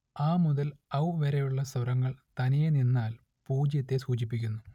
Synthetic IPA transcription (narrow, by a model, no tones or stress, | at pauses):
aːmuðɐlɐwʋeɾejuɭːɐsɐɾɐŋːɐɭt̪ɐnijeninːaːl | puːd͡ʑjɐt̪ːe̞suːt͡ɕipːikʲːunːu